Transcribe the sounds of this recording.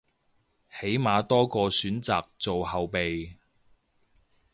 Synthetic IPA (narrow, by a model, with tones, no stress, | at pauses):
he˨˥jmaː˨˧t̪ɔː˥kɔː˧syː˨˥nt͡saː˨k̚t͡so˨whɐ˨wpe˨j